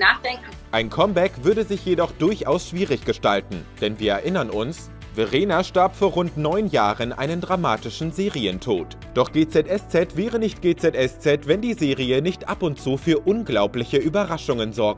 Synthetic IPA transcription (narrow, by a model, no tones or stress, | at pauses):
naːχd̥ɛŋkŋ̩ | ʔaɪnkʰɔmbɛkv̥ʏɐdəzɪçjedɔχd̥ʊɐçʔaʊsʃv̥iːʁɪçɡ̥əʃtaltn̩d̥ɛnviːɐɛɐʔɪnɐnʊns | veʁeːnaʃtaɐpfoːɐʁʊntnɔʏnjaːʁənʔa̰ɪnəndʁamaːtɪʃn̩zeːʁiəntʰoːt | d̥ɔχɡ̥eːt͡sɛtʔɛst͡sɛtv̥ɛːʁənɪçt̚ɡ̥eːt͡sɛtʔɛst͡sɛtv̥ɛndiːzeːʁiənɪçtʔapʊntt͡suːfyːɐʔʊnɡlaʊplɪçəʔyːbɐʁaʃʊŋənzɔɐk̚t